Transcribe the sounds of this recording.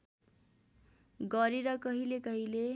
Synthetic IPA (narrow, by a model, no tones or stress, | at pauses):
ɡʌɾiɾʌkʌɦilekʌɦile